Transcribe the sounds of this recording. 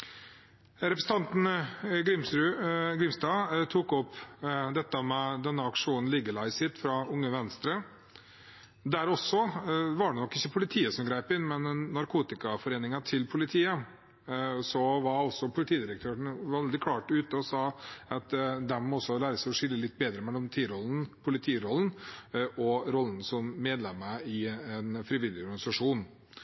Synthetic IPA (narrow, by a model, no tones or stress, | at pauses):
ɾɛpɾsn̩t̪ɑnt̪n̩ɡɾɪmsɾʉɡɾɪmsd̪ɑːt̪ʰuːkɔpd̪ɛt̪ːəmɛd̪ɛnːəɑkʂuːnn̩lɪɡəlæɪsɪt̪fɾɑʊŋːəʋɛnst̪ɾə | d̪æɾɔsːɔʋɑɖɛnɔkːɪçːəpʰʊlɪt̪ʰiːəsɔmɡɾæɪpɪnmɛnːɑɾkʰuːt̪ɪkɑfɔɾeːnɪŋɑt̪ʰɪlpʰʊlɪt̪ʰiːə | sɔʋɑɾɔsːɔpʰʊlɪt̪ʰiːd̪ɪɾək̚t̪ʰøːɾəɳʋɛld̪ɪkʰlɑːʈʉːt̪əɔsɑːɑt̪d̪ɛmmɔɔsːɔlæːɾəsæɪɔʂɪlːəlɪt̪ːbeːd̪ɾəmɛlːɔmt̪ʰiːɾɔln̩pʰʊlɪt̪ʰiːɾɔln̩ʔɔɾɔlːn̩sɔmːeːd̪lɛməɪɛnfɾɪʋɪlːɪɔɾɡɑnɪsɑʂuːn